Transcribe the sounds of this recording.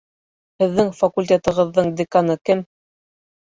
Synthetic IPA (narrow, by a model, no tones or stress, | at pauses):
hɘ̆ðːɘŋfɐkulʲt̪ʲet̪ɤ̆ʁɤ̆ðːɤɴd̪ʲɪkanɤkɘm